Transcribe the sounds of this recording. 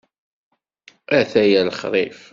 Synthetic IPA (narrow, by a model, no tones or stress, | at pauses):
ʔæθæjælχɾˤɪf